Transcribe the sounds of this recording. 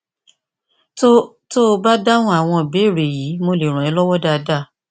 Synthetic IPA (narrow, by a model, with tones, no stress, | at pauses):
o | to˦˧ba˦da˦ũ˦a˨w̃ɔ̃˧˨be˨˦˨ɾe˨ji˨˦mo˧le˨ɾ̃ɔ̃˨ɛ˨˧˦lɔ˦wɔ˦da˦˧da˦˨